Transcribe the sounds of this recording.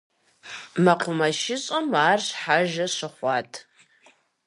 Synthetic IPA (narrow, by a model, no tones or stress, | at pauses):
mɐqʷʰʊmɐʃɪɕʼɐmaːrɕħaʒɐɕɨχʷɑːtʼʰ